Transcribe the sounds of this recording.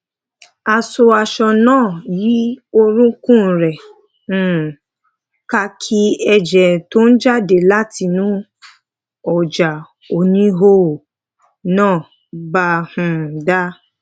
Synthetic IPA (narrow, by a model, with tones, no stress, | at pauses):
a˧so˧a˧ʃɔ˧nãː˦˨ji˨˦o˦ɾũ˦kũ˦˨ɾɛ̃˨˦˨ | ka˧kʰi˦ɛ˧d͡ʒɛ˨to˦n̩˦d͡ʒa˦de˨la˦ti˧nũ˨˦ | ɔ˨d͡ʒa˨ | o˨nĩ˦ɦo˦˨ | nãː˦˨ | ba˧hũ˧˨da˦